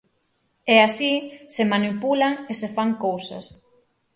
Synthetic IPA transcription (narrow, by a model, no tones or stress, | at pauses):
ɛasisemanipulaŋesefaŋkowsa̰s